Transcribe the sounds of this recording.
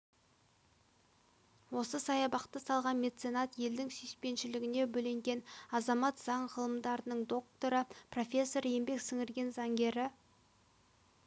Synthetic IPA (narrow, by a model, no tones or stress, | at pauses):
wo̞səsɑjɑbɑqt̪əsɑlˠʁɑnmʲe̞t̪senɑt̪je̞ld̪ɪŋsʏjspe̞nʃɪlɪɡʲɪne̞bɵle̞ŋɡʲe̞nɑzɑmɑt̪z̥ɑɴʁəlˠəmd̪ɑɾənəɴd̪o̞k̚t̪o̞ɾəpro̞fʲe̞sːo̞ɾje̞mbe̞ksɪŋɪɾɡʲe̞nzɑŋɡʲe̞ɾɪ